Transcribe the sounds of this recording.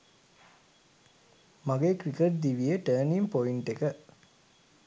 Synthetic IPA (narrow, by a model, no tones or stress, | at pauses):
maɡekɾikeʈ̚d̪iʋijəʈəːnimpoiɳʈekə